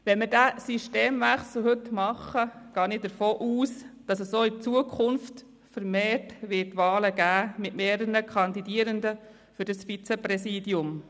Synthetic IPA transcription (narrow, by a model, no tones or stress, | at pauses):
ʋɛnmɪɾdæːsiʃteːmʋæχsl̩ɦɵt̪mɑχəɡ̥ɑːnɪdəɾfoːʔuːsd̥ɑsəssoːɪt͡suəkʰʊnft | fəɾmeːrtʋɪːtːʋɑːləɡæːmɪtmeːɾənəkʰɑnd̪idiəɾəndə | fɵɾdɑsfit͡sɛpɾɛsiːdjʊm